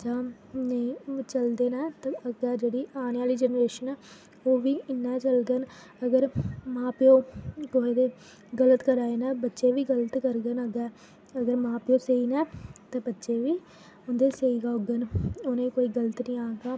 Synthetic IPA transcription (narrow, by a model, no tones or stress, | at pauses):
d͡ʒãː | neit͡ʃəld̪eːnɛːt̪aəɡɛːd͡ʒeːɽiːaːneːaːliːd͡ʒənɾeːʃənɛː | oːʋiːɪnːɛːt͡ʃəlɡ̪ən | əɡəɾmãːpɪõːɡoːeːd̪eː | ɡələt̪kəɾaːeːnɛːbətːʃeːʋiːɡələt̪kəɾɡənəɡɛː | əɡəɾmãːpɪõːseiːnɛːt̪ãːbətːʃeːʋiː | ʊnd̪eːseiːɡaːʊɡənoːnẽːkoːiːɡələt̪nĩːaːɡaː